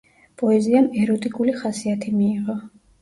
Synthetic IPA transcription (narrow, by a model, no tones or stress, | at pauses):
pʼɔɛziamɛɾɔt̪ʼikʼuliχasiat̪ʰimiːʁɔ